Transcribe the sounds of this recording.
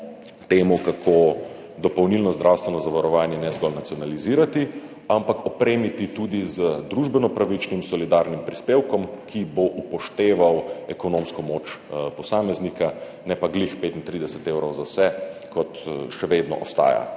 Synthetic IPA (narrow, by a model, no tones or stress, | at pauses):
t̪eːmukakʰo | d̪ɔpɐwnilnɔzd̪ɾʔawst̪ʋɛnɔzaʋaɾɔʋaːnjɛnɛzɡɔlnat̪sijɔnaliziːɾat̪i | ampakɔpɾeːmit̪it̪ud̪izəd̪ɾuʒbɛnɔpɾaʋit͡ʃnimsɔlid̪aːɾnimpɾispeːwkɔmkʰiboʔupɔʃt̪eːʋawɛkɔnomskɔmoːt͡ʃpɔsaːmɛznika | nɛpaɡlixpeːt̪int̪ɾid̪ɛsɛt̪ewɾɔwzawsɛkɔt̪ʃɛʋed̪nɔ̰ʔɔ̰st̪a̰ːja̰